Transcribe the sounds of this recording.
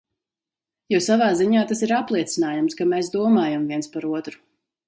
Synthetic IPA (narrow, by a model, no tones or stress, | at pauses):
jɔsavaːziɲaːt̪asiɾaplˠiɛt̪sinaːjumskameːsd̪uɔmaːjamviɛnspaɾuɔt̪ɾu̥